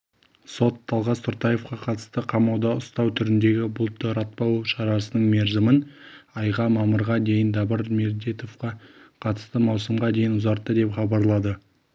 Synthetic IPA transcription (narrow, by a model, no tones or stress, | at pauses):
so̞t̪ʰːɑlˠʁɑst̪ʰʊɾt̪ɑje̞fqɑqʰɑt̪ə̥st̪əqʰɑmɑwd̪ɑʊst̪ɑwt̪ʰʏɾɪnd̪e̞ɡʲɪbʊlˠt̪ːəɾɑt̪̚pɑwʃɑɾɑsənəɴme̞ɾzɪmɪnɑjʁɑmɑməɾʁɑd̪e̞jɪnd̪ɑbəɾmeɾd̪et̪o̞fqɑqʰɑt̪ə̥st̪əmɑwsəmʁɑd̪e̞jɪnʊzɑɾt̪ːəd̪e̞pχɑbɑɾlˠɑd̪ə